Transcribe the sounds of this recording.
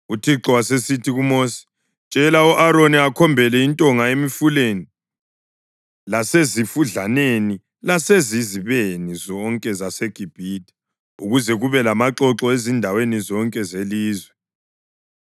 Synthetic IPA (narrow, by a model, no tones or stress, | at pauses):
utʰiǁɔwasesitʰiɣumosi̥ | t͡ʃʼɛlauʔaɾoniakʰɔmbʱɛlɛintʼɔŋaemifuleni | lasezifuɮaneni | laseziziβenizɔŋkʼɛzaseɡ̥ʱib̥ʱitʼi̥ | uɣuzɛɣuβɛlamaǁɔǁɔezindʱawenizɔŋkʼɛzeliːzwɛ